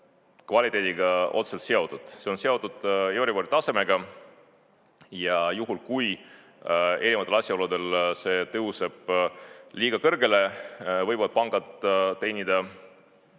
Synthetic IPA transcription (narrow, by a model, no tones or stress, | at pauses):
kvɑlʲit̪ˑe̞d̪iɡɑo̞̰t̪se̞lt̪seo̞d̪̥ud̪̥se̞o̞nse̞o̞d̪ud̪̥joɾivoɾit̪ːɑse̞me̞ɡ̥ɑ | jɑjuɦulkuj | e̞ɾivɑt̪ːelɑsʲjɑo̞lud̪̥e̞lse̞t̪ɤɦuse̞b̥liːɡ̥ɑkɤrɡe̞le̞vɤjbɑd̪̥̚pɑŋɡ̥ɑd̪̥t̪ːe̞jnʲid̪̥ɑ